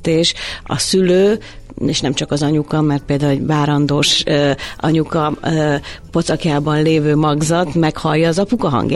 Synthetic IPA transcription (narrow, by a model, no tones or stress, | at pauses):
t̪eːʃɒ̰syløː | eːʃnɛmt͡ʃɒkɒzɒɲukɒmɛrt̪̚peːld̪aːleɟvaːɾɒnd̪oːʃ | ɒ̰ɲukɒ | po̞t̪sɒkjaːbɒnleːvøːmɒɡzɒt̪mɛkhɒljːɒːzɒpukɒɦɒ̰ŋɡj